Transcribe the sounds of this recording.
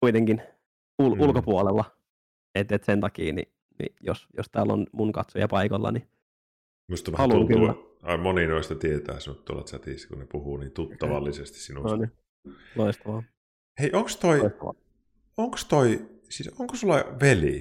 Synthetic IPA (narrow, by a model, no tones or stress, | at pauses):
kuit̪eŋkin | ululkopuolelːɑ | et̪ːet̪sent̪ɑkḭːnḭ | nḭjo̰sjo̰st̪æːlːo̰nmuŋkɑt̪sojɑpɑikolːɑ̰ni | must̪ɑmhɑluŋkylːæ̰ɑmoninoist̪ɑt̪iet̪æ̰ːsmut̪t̪uo̰lɑ̰t̪sæt̪iˑskunnepuhuːnint̪ut̪ːɑʋɑ̰lːisest̪i̥ssinuone | loist̪ɑʋɑ | heiʔoŋkst̪oiist̪ɑʋɑ̰ | oŋkst̪oi | sisoŋkosulːɑʋeli